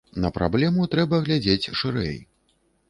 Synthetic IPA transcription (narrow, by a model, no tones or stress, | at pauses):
nɐpɾʔa̰blʲɛmut̪ɾɛbɐɣlʲad͡zʲet͡sʲʂɨɾɛ̰j